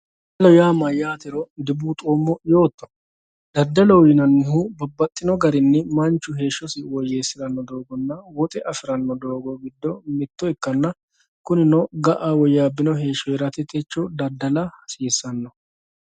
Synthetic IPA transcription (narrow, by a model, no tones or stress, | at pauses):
ɐlɔjaːmɐjaːt̪ɛɾɔd̪ɪbuːt̪ʼoːmːɔjo̞ːt̪ːɔ̥ | d̪ɐd̪ːɐlɔwjnɐnːɪhʊbɐbːɐt̪ʼːɪnɔɡɐɾɪnːɪmɐnt͡ʃːʊɦe̞ːʃːɔsɪwɔjeːsːɪɾɐnːɔd̪o̞ːɡɔnːɐwɔt̪ʼɛʔɐfɪɾɐnːɔd̪oːɡɔɡɪd̪ːɔmɪt̪ːɔɛkːɐnːɐ | kʊnɪnɔɡɐʔawɔjːaːbːɪnɔɦe̞ːʃɔjɛɾɐt̪ɪt̪ɛt͡ʃːɔd̪ɐd̪ːɐlɐsiːsːɐnːɔ